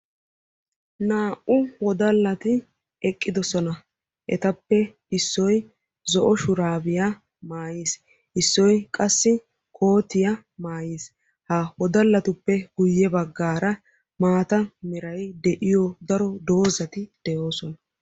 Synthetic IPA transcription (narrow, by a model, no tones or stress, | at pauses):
naːʔʊwɔd̪ɐlːɐt̪ɪ | ɛkʼːɪd̪ɔsɔnɐ | ʔɛt̪ɐpːɛ | ɪsːɔj | zɔʔɔʃʊɾaːbɪja | maːjiːs | ʔɪsːɔjkʼɐsːɪ | kʰo̞ːt̪ɪjɐ | maːjiːs | hawɔd̪ɐlːɐt̪ʊpːɛɡ̥ʊjːɛbɐɡːaːɾɐ | maːt̪ɐmɪɾɐjd̪ɛʔɪjɔd̪ɐɾɔd̪o̞ːzɐt̪ɪd̪̥ɛjo̞ːsɔnɐ